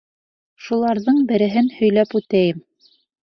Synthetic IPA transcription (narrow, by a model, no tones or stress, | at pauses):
ʃulˠɑɾðɤɴbɘ̆ɾɘ̆ɦɘnhɵ̆jlæpʉt̪æjɘm